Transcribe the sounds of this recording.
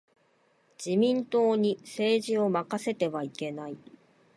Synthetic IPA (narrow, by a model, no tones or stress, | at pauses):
d͡ʑ̥imʲĩnt̪o̞ːɲ̟ise̞ːʑio̞makase̞t̪e̞βaike̞nai